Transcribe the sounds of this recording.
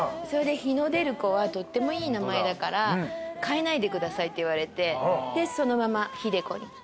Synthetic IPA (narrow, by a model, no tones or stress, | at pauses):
so̞ɾe̞d̪e̞çino̞d̪e̞ɾɯ̟ko̞βat̪o̞t̪ːe̞mo̞iːnamae̞d̪akaɾakaenaid̪e̞kɯ̟d̪asait̪ːe̞iβaɾe̞t̪e̞d̪e̞so̞no̞mamaçid̪e̞ko̞̰ɲ̟i